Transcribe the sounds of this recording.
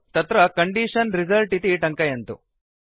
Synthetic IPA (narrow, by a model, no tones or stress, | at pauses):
t̪ɐt̪ɾɐkɐɳɖiːʂɐnɾizɐlʈit̪iʈɐŋkɐjɐnt̪ṵ